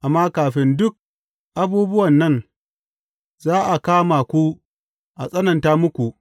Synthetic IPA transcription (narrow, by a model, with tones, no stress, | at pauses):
ʔa˨mːaː˦kaː˨ɸɪ˦ndʊ˦k̚ | ʔa˦buː˦bʊ˦wɐ˨nːɐ˦n | zaː˦ʔa˨kaː˦maː˨kʷu˦ | ʔa˨sʼɐ˦nɐ˨ntaː˦mʊ˦kʷu˨ʔ